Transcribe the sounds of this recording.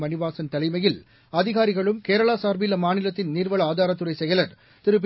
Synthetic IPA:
mɐnɪʋaːsɐnt̪ɐlɐɪmɐjɪl | ɐðɪɣaːɾɪɣɐɭɯmkeːɾɐɭaːsaːɾbɪlɐmaːnɪlɐt̪ːɪnniːɾʋɐɭɐaːðaːɾɐt̪ːɯrɐɪsɛjɐlɐɾ | t̪ɪɾɯp̬ː

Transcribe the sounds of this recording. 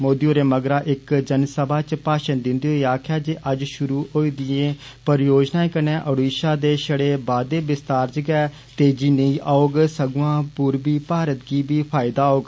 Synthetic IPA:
moːd̪ioːɾeːməɡɾãːʔɪkd͡ʒənsəbʱaːt͡ʃpaːʃənd̪ɪnd̪eːɦoːiaːkʰɪjaːd͡ʒeʔəd͡ʒʃʊɾuːɦoːiːd̪ɪjẽː | pəɾjoːd͡ʒnãːẽkənɛ̃ːʔəɽiːʃaːd̪eːʃəɽeːbaːd̪eːbɪst̪aːɾt͡ʃɡɛː | t̪eːd͡ʒiːnəĩːʔaːoːɡsəɡãːpuːɾbiːpaːɾət̪ɡiːbiːpʰaːɪd̪aːoːɡ

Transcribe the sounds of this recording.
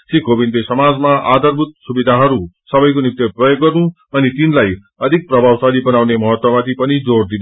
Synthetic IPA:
sikʰobinlesʌmad͡zmaʔad̪ʌrbʱut̪̚subid̪ʱaɦʌɾusʌbʌjkonik̚t̪jʌprʌjoɡːʌrnũ | ʌnit̪inlaj | ʌd̪ʱik̚prʌbʱawsalibʌnawnemʌɦʌt̪wʌmat̪ʰipʌnid͡zoɽd̪in

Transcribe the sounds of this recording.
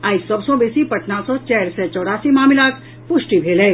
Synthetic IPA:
aːisɐbsɔ̃beːsipɐʈʰnasɔt͡ʃɛːɾset͡ʃɔːɽaːsimaːmɪlaːk | pʊʃʈibʱeːleː

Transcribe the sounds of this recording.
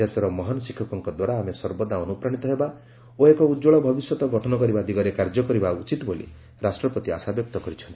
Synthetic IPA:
esɔɾɔmɔɦanɔsikʰːɔkɔŋkɔd̪waɾaːmesɔɾbɔd̪aɔnupɾaɽ̃it̪ɔɦeba | oekɔud͡ʒoɭɔbʱɔbisjɔt̪ɔɡɔʈʰɔnɔkɔɾibad̪iɡɔɾekaɾd͡ʒɔkɔɾibaut͡ʃit̪bolḭ | ɾasʈɾɔpɔt̪ia̰sabjɔk̚t̪ɔkɔɾit͡ʃʰɔnt̪i̥

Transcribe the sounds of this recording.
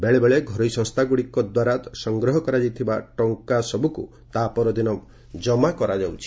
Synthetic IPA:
beɭebeɭeɡʱɔɾɔjsɔ̃ŋst̪ʰaɡuɽikɔd̪waɾat̪sɔŋɡɾɔɦɔkɔɾad͡ʒit̪ʰibaʈɔŋkasɔbukṵ | t̪apɔɾɔd̪inɔ | d͡ʒɔmakɔɾad͡ʒawt͡ʃʰi̥

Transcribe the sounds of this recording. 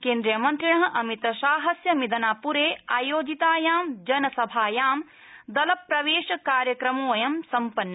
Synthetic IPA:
keːnd̪ɾijɐmɐnt̪ɾiɳɐɦɐ̆ʔɐmit̪ɐʃaːɦɐsjɐmid̪ɐnaːpuɾeːaːjoːd͡ʒit̪aːjaːmd͡ʒɐnɐsɐbʱaːjaːm | d̪ɐlɐpɾɐʋeːʃɐkaːɾjɐkɾɐmoːjɐmsɐmpɐnːɐ

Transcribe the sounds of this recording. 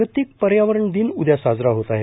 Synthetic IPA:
ət̪iːk̚pəɾjaʋəɾəɳd̪inud̪jasad͡zɾaɦot̪aɦe

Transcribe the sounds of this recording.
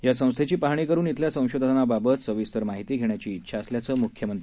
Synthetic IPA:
jasə̃w̃st̪ʰet͡ɕiːpaɦɳ̃iːkəɾuːnit̪ʰljasə̃w̃ɕod̪ʱanababət̪səʋist̪əɾmaɦit̪iːɡʱeɳjat͡ɕiːt̪ːɕʰaːsljat͡səːmukʰjəmənt̪ɾi

